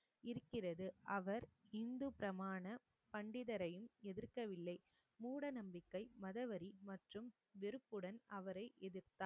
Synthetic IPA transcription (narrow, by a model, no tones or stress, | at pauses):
ɪɾɯkːɪrɐðɯʔɐʋɐɾɪnd̪ɯpɪɾɐmaːnɐ | pɐɳɖɪðɐɾɐjɯmɛðɪɾkɐʋɪlːɐɪ | muːɽɐnɐmbɪkːɐɪmɐðɐʋɐɾimɐʈrɯm | ʋɛɾɯpːɯɽɐnɐʋɐɾɐɪʔɛðɪɾt̪aː